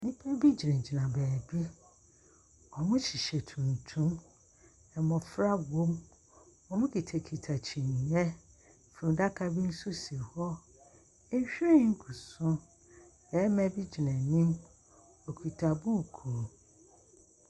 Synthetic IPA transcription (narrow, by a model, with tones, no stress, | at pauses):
nĩ˦pʰɛ˦bi˦d͡ʑi˨nɛ̃˨d͡ʑi˨nã˨bɛː˨bi˦ | ɔ˨mʊ̃˦t͡ɕʰi˨ɕɛ˨tʰũ˨n˨tʰũ˦m | ɛ˨mɔ̃˨fɾa˦wõ˦m | ɔ˨mʊ̃˦kʰi˨tʰɛ˨kʰi˨tʰa˨t͡ɕʰĩ˨ɲ˨ɲɛ˦˨ | fɾũ˨da˦kʰa˨bi˦n̩˦su˦si˨hɔ˦ | e˦ɕᶣĩ˦ŋ̩˦kʰu˨sʊ̃˦ | ɛ˨˦mɛ̃˦bi˦d͡ʑi˨nɛ̃˨nĩ˦m | ɔ˨kʰi˨tʰa˨bu˦˨kʰu˨